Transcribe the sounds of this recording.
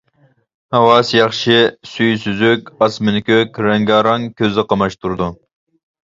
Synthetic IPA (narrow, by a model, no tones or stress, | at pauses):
hɑwɑsjɑχʃɪsyjsyzykʲɑsmɪnɪkʲøkʲɾɛŋɡɑːɾɑŋkʲʰøzɨqʰɑmɑʃt̪ʰuɾd̪u